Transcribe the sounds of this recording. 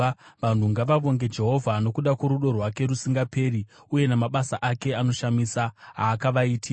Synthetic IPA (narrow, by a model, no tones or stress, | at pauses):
ʋan̤uŋɡaʋaʋo̞ŋɡe̞d͡ʒe̞ɦo̞vʱano̞kuɗakwo̞ɾuɗo̞rwake̞ɾusiŋɡape̞ɾi | uje̞namaɓasaʔake̞ano̞ʃamiːsaɦaːkaʋaiːtʰi